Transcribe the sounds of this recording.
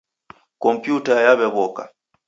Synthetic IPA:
kɔmpjutajaβɛβɔka

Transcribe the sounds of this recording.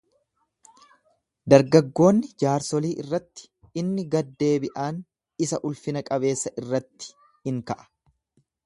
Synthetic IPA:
d̪ɐɾɡɐɡːo̞ːnːɪd͡ʒaːɾsɔliːʔɪrːɐt̪ːɪ̥ | ɪnːɪɡɐd̪ːe̞ːbɪʔaːn | ɪsɐʔʊlfɪnɐkʼɐβe̞ːsːɐʔɪrːɐt̪ːɪ̥ | hɪŋkɐʔɐ̥

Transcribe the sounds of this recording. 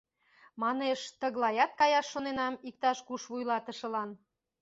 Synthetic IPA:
mɑneʃt̪əɣlɑjɑt̪̚kɑjɑʃːonenɑmik̚t̪ɑʃkuʃβujlɑt̪ə̆ʃə̆lɑn

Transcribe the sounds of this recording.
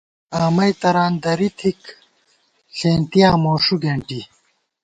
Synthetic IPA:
aːmɐjt̪ɐɾaːnd̪ɐɾit̪ʰik | ɬeːnt̪ijaːmoːʂuɡeɳʈi

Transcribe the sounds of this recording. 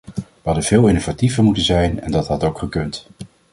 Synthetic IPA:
ʋəɦɑdənv̥ɪːlˠɪnovativəɹmutənzɛjnɛ̰ndɑtɦɑtowkχəkɵnt

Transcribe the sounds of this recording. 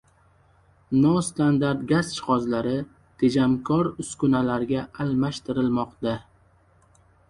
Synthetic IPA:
nɒst̪and̪aɾt̪̚ɡʲazt͡ʃʰɪ̥χɒzlaɾɪ | t̪ʰed͡ʒamkʰɒɾʊskʊnalaɾɡʲaːlmaʃt̪ɪɾɪlmɒqt̪a

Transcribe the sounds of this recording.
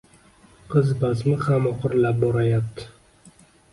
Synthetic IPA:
qʰɨzbazmɪχamɒqɨɾlap̚bɒɾajap̚t̪ʰɪ̥

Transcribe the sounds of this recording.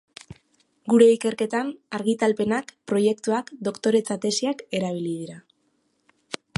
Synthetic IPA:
ɡuɾe̞ike̞ɾke̞t̪anaɾɣit̪alpe̞nakpɾo̞je̞kt̪uakd̪o̞kt̪o̞ɾe̞t͡sat̪e̞siake̞ɾaβ̞ilið̞iɾa

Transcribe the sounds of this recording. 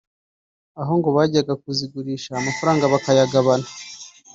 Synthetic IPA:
aɦo̞ŋɡo̞βaːɟiaɡak̚uziɡuɾiːʃaːmafuɾaːŋɡaβakajaɡaβana

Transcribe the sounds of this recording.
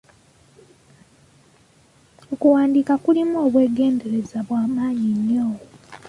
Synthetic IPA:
okuwaːndiːkakulimuoːβwe̞ːɡe̞ːnde̞ɾe̞zaβwaːmaːɲiɲːoːwo

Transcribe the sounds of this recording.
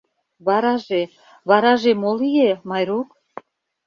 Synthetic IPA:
βɑɾɑʒe | βɑɾɑʒemolijemɑjɾuk

